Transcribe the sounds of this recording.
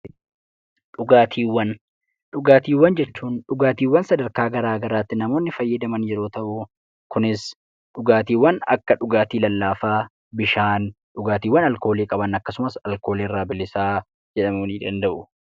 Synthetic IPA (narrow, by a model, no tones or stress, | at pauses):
ᶑʊɡaːt̪ʰiːwːɐn | ᶑʊɡaːt̪iːwːɐnd͡ʒɛt͡ʃːuːnᶑʊɡaːt̪iːwːɐnsɐd̪ɐɾkaːɡɐɾaːɡɐɾaːt̪ːɪnɐmo̞ːnːɪfɐjːɐd̪ɐmɐnjɛɾo̞ːt̪ɐʔʊ | kʊnɪs | ᶑʊɡaːt̪iːwːɐnɐ̰kːɐᶑʊɡaːt̪iːlɐlːaːfaː | bɪʃaːn | ᶑʊɡaːt̪iːwːɐnɐlko̞ːleːkʼɐbɐnɐkːɐsʊmɐsɐlko̞ːleːrːaːbɪlːɪsaː | d͡ʒɛᶑɐmuːniːᶑɐnd̪ɐʔʊ